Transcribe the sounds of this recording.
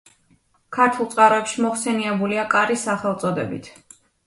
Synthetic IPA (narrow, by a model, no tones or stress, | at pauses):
kʰaɾt̪ʰulˠt̪sʼqʼaɾɔɛpʃimɔχsɛniɛbuliakʼaɾisaχɛlˠt̪sʼɔd̪ɛbḭt̪ʰ